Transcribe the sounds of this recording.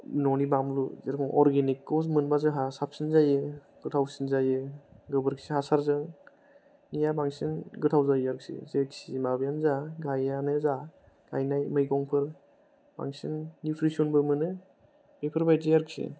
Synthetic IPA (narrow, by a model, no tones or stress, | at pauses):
nɔnibamluzeɾkʰɔŋʔɔɾɡenikːɔwmɯnbazɯɦasap̚sinzajɯ | ɡ̥ɯtʰawsinzajɯɡɯbɯɾksihasaɾzɯŋ | nijabaŋsinɡɯtʰawzajaɾk̚sḭzeksimabjanzaɡajanɯza | ɡ̥ajnajmɯjɡɔŋpʰɯɾ | ba̰ŋsinːutʰɾisɔnbɯmɯnɯ | mejpʰɯɾbajzajaɾksḭ